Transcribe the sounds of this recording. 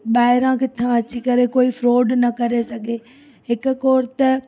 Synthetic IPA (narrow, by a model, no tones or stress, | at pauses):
ɓaːɪɾãkɪt̪ʰãɐt͡ɕikɐɾekoːifɾoːɖnɐkɐɾesɐɡʱe | ɦɪkʊ̆koːɾt̪ɐ